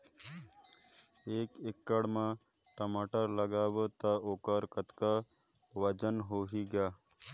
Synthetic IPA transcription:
eːkekːəɽmã | ʈəmaːʈəɾləɡaːbət̪aoːkəɾkət̪ka | ʋəd͡ʒənɦoːɦiɡjaː

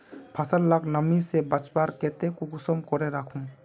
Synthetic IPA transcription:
pʰasəlːaknamisɛbat͡ʃbaɾkɛt̪ɛkuɡusɔmkɔɾɛɾakʰum

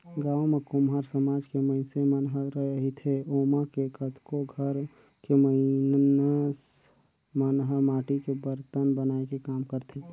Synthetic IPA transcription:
ɡaːwmekʊmɦaːɾsəmaːd͡ʒkemə̃ɪsemənɦəɾəɦeɦit̪ʰeoːmakekət̪ʰkoɡʱəɾ | keməinnəs | mənɦəɾmaːʈikebəɾt̪ənbənaekekaːmkəɾt̪ʰe

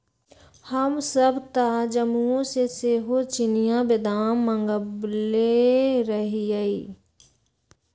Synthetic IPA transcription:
həmsəbt̪ad͡ʒəmuõseseɦot͡ʃɪnijãbɪd̪aːmːə̃ŋɡəbleɾəɦiəiː

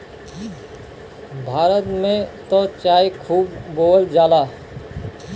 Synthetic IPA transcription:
bʱaːɾət̪mẽt̪ot͡ʃaːjkʰuːbːoːld͡ʒaːlaː

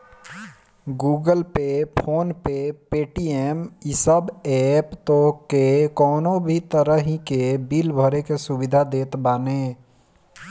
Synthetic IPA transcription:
ɡuːɡəlpepʰoːnpepeːʈiɛmɪsəbɛːpt̪okekɔːnobʱit̪əɾəɦikebilbʱəɾekesʊbɪd̪ʱad̪eːt̪baːne

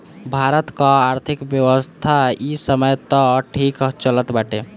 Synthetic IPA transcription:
bʱaɾət̪kãaɾt̪ʰikbjəʋəst̪ʰaisəməjt̪ɔʈʰikt͡ʃələt̪baʈe

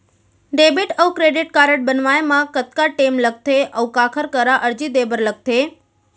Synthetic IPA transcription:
ɖebiʈəwkɾeɖiʈ̚kaɾəʈ̚bənʋajemãkət̪kaʈemləɡ̚t̪ʰeʔəʋkakʰəɾkəɾaʔəɾd͡ʒid̪ebəɾləɡ̚t̪ʰe

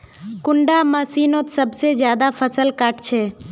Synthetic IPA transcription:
kʊɳɖaməsiːnõt̪səbsezjaːd̪afʰəsəlkaʈt͡ʃʰeː

